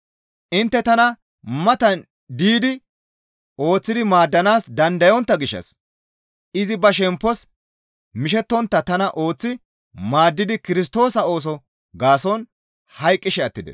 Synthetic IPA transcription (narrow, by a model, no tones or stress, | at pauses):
ʔɪnt̪ːɛt̪ɐnɐ | mɐt̪ɐn | d̪iːd̪ɪ | o̞ːt͡sːɪd̪ɪmaːd̪ːɐnaːsd̪ɐnd̪ɐjɔnt̪ːɐɡɪʃːɐ̰s | ʔɪzɪbɐʃ̬ɛmpːɔs | mɪʃɛt̪ːɔnt̪ːɐt̪ɐnɐʔo̞ːt͡sːɪ | maːd̪ːɪd̪ɪkɪɾɪst̪o̞ːsɐo̞ːs̬ɔ | ɡaːsɔn | hɐjkʼːɪʃɛɐt̪ːɪd̪ɛ̰s